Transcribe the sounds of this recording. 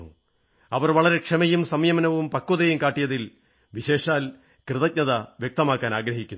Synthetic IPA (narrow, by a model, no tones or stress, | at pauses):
ṵ | ɐʋɐrʋɐɭɐɾe̞kʂɐmɐjumsɐmjɐmɐnɐʋumpɐkːoðɐjumkaːʈːijɐðil | ʋiɕe̞ːʂaːl | krɨðɐc̚ɲɐðɐʋjek̚t̪ɐmaːkːaːnaːɡɾɐɦikʲːunː